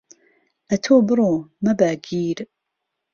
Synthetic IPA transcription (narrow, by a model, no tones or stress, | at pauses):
ʔɐt̪ʰoːbɨɾoːmɐbaːɡiːɾ